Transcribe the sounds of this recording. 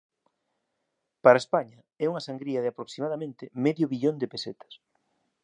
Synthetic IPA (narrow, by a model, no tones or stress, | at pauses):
paɾaespaɲɐ | ɛuŋasaŋɡɾiɐðɪapɾoksimaðamẽnt̪ɪmɛðjʊβiʎond̪epeset̪ɐ̥s